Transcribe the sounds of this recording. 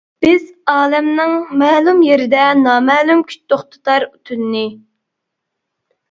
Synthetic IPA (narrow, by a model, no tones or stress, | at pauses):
b̥ɪzɑːlɛmnɪŋmɛːlˠumjeɾɪd̪ɛnɑːmɛːlumkʲʰy̥t͡ʃt̪ʰoχt̪ɨ̥t̪ɑɾut̪ʰynːɨ